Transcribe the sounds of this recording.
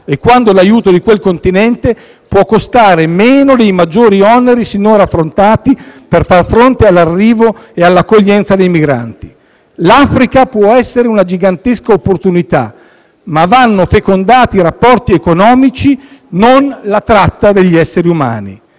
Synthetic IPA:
ekːwand̪olajuːt̪od̪ikwelkont̪inɛnt̪e | pwɔkːost̪aːɾemeːnod̪ejmad͡ʒːoːɾiɔneɾisenːonɾafːɾont̪aːt̪iperfarfɾont̪ealːarːiːvoealːakːoʎːɛnt̪sad̪ejmiɡɾa̰nt̪i | lafɾikapwɔɛsːeɾeunad͡ʒiɡant̪eskaopːort̪unit̪a̰ | mavanːofekond̪aːt̪iɾapːɔrt̪iekonɔːmit͡ʃinonlat̪ɾat̪ːad̪eʎːiɛsːeɾiuma̰ːnḭ

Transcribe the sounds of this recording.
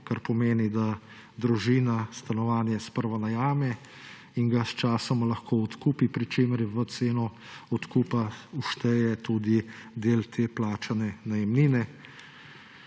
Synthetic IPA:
kaɾpɔmeːnid̪a | d̪ɾuʒiːnast̪anɔʋaːnjɛspəɾʋanajaːmɛ | iŋɡast͡ʃaːsɔmlɐxkoːɔt̪kuːpipɾit͡ʃeːməɾʋət̪seːnɔ | ɔt̪kuːpauʃt̪ɛjɛt̪ud̪id̪eːlt̪ʰeːplaːt͡ʃanɛnajɛmniːnɛ

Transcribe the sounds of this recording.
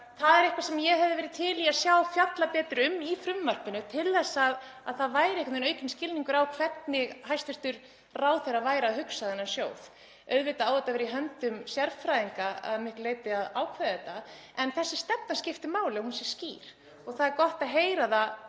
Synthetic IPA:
θaðɛɾɪhkvasɛmjɛɦɛvðɪvɛːɾɪðt̪ʰɪliasjaːwfjat̪lapɛːt̪ɪɾʏmːifɾʏmmar̥pɪnʏt̪ʰɪlðɛsːaðaðθaðvaːjɾɪehkɛɪt̪ʏnœːɥcɪnscɪlniŋkʏɾawkʰvɛt̪nɪɣɦajst̪ɛɾ̥t̪ʏɾ | raːwθɛɾavaːjɾaːhɦʏksaðɛnːasjoːwð | œɥðvɪt̪aaːwðɛt̪ːavɛɾiɦœnt̪ʏmsjɛɾfɾajðiŋkaa̰ðmɪɣleːjt̪ɪaðaːwkʰvɛðɛt̪a | ɛnθɛsːɪ̥st̪ɛpnascɪft̪ɪmaːwlɪɔhunsjɛ̥sciːɾ̥ | ɔɣθaðɛɾkɔht̪aðɦeːjɾaða

